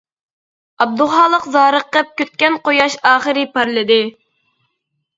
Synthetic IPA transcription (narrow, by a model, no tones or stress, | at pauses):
ɑb̚d̪uχɑːlˠəqzɑːɾəqːəp̚kʲøt̪̚kʲɛnqojɑʃɑːχəɾɪpɑɾlˠɨd̪ɪ